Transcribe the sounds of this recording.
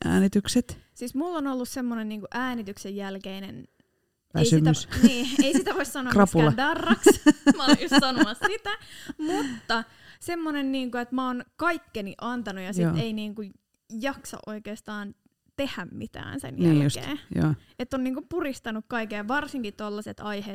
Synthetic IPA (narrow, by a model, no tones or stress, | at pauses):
ʔæ̰ːnit̪ykset̪siːsmulːonolːussemːonenniːŋkuʔæːnit̪yksejjælkeinen | ʋæisyimæysniːeisit̪æʋoissɑnoɑkrɑpulɑdɑrːɑksmɑnjossɑnoɑsssit̪æmut̪ːɑ | semːonenniːŋkoet̪mæonkɑikːeniʔɑnt̪ɑnujɑsjiːeiniːŋkuj | jɑksɑ̰ʔoikeːst̪ɑːn | t̪ehæmmit̪æ̰ːnsḛnjnæːuskḛːjo̰ː | et̪ːonniːŋkumpurist̪ɑnukkɑikejɑʋɑrsiŋkit̪olːɑset̪ɑihe